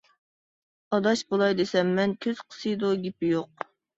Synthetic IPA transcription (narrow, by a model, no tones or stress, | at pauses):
ɑd̪ɑʃbolˠɑjd̪esɛmːɛnkʲʰøz̥qʰə̥sɨjd̪uɡʲipɪjoq̚